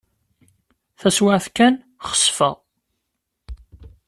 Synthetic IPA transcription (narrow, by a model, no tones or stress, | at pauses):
θæswaʕθkæn | χə̥sfə̰ʁ